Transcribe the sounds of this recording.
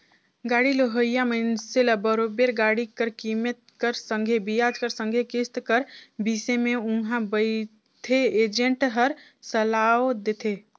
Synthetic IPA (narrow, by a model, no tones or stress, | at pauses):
ɡaɽiloɦəjamənseləbəɾobeɾɡaɽikəɾkimət̪̚kəɾsə̃ŋɡʱebijad͡ʒkəɾsə̃ŋɡʱekɪst̪kəɾbisemẽũɦãbəɪ | t̪ʰeed͡ʒeɳʈɦəɾ | səlaod̪et̪ʰe